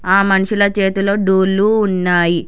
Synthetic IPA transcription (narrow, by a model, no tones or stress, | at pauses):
ɦaːmɐnuɕulɐt͡ʃeːt̪uloːɖoluːnːaːji